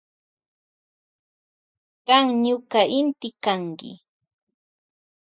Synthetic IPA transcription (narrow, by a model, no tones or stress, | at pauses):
ɢɑŋɲʊkaʔɪnt̪ɪkaŋkɪ̰